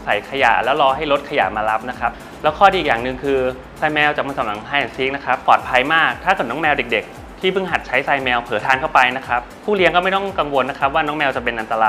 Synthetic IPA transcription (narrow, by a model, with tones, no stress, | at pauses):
sa˨˩˦jkʰa˧ja̰ː˨˩lɛː˦˥wɾɔː˧ha˥˩jɾo˦˥t̪̚kʰa˧ja̰˨˩maː˧la˦˥p̚na˦˥kʰa˦˥p̚ | lɛː˦˥wkʰɔː˥˩i˧˨˩k̚jaː˨˩nɯ˨˧ŋkʰɯː˧ | saː˧jmɛː˧wt͡ɕaː˨˩kwa˧˩saː˨˩˦mna˨˩˦ŋp̪ʰaː˧jʔɛ˨˩si˦˥k̚na˦˥kʰa˦˥pːɔː˨˩t̪̚pʰa˧jmaː˥˩k̚t̪ʰaː˥˩kɤː˨˩t̪̚nɔː˦˥mɛː˧wde˨˩k̚de˨˩k̚ | t̪ʰiː˥˩pʰɯ˥˩ŋɦa˨˩t̪̚t͡ɕʰa˦˥jsaː˧jmɛː˧wpʰɤː˩˦t̪ʰaː˧nkʰa˥˩wpa˧jna˦˥kʰɾa˦˥p̚pʰuː˥˩li˧əŋkɔː˥˩ma˥˩jt̪ɔ˥˩ŋka˧ŋwo˧nːa˦˥kʰa˦˥p̚waː˥˩nɔː˦˥ŋmɛː˧wt͡ɕa˨˩pe˧nʔa˧nt̪a˧laː˧